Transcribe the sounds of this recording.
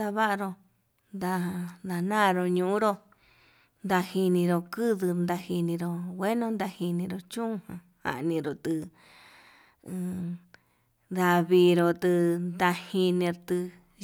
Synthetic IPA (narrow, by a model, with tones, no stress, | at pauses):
a˧βa˦ʔa˧ɾo˧ | nd̪a˧d̪a˧nãː˦˨˧ɾo˧ɲũ˧˨ũ˦ɾo˦ | nd̪a˧hi˧nĩ˧ɾo˧kɨ˦ðɨ˧nd̪a˧hi˧nĩ˧ɾo˧wʷe˦nõ˧nd̪a˧hi˧nĩ˧ɾo˧t͡ʃũ˦˧hã˧ | ha̰˨ʔnĩ˧ɾo˨t̪ɨ˧ | d̪a˧βiː˧ɾo˧t̪ɨ˧nd̪a˧hi˧nĩ˧ɾt̪ɨ˧